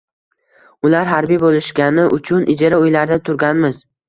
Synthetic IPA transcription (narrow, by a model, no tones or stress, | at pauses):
ʊlaɾɦaɾbijbolɪʃkʲanɪʔʊt͡ʃʰʊnʔɪd͡ʒaɾaojlaɾd̪at̪ʰʊɾɡʲanmɪz